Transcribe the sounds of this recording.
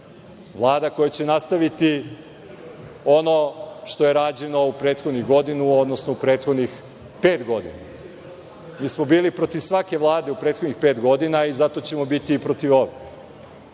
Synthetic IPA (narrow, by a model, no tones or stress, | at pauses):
ʋlˠaːd̪akojat͡ɕe̞nast̪aʋit̪i | o̞no̞ʃt̪o̞je̞ɾaːd͡ʑeno̞upɾe̞ːt̪xod̪nuɡo̞d̪inuod̪no̞snoupɾeːt̪xo̞d̪nix | peːt̪ɡo̞d̪ḭna | miːsmobiːlipɾo̞t̪iʋsʋake̞ʋlˠaːd̪e̞upɾeːt̪xod̪nixpe̞ːt̪ɡo̞d̪inaizat̪o̞t͡ɕe̞mo̞bit̪iːpɾo̞t̪iʋo̞ʋe